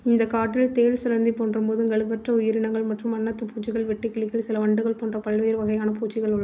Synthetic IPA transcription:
ɪnd̪ɐkːaːʈːɪlt̪eːlsʊɾɐnd̪ipoːndrɯmpoːðɯŋɡɐɭɯʋɐʈrɐʊjɪɾɪɳɐŋɡɐɭmɐʈrɯmɐnːɐt̪ːɯpuːt͡ʃːɪɣɐɭʋɛʈːɪkːɪɭɪkːɪlsɪlɐʋɐɳɖɯɣɐɭpoːndrɐpɐɭʋɐjɪɾʋɐɣɐjaːnɐpuːt͡ʃːɪɣɐɭʊɭ

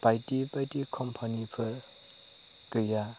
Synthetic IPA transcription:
pajtipajtikʰɔmpʰanipʰɯɾ | ɡɯja

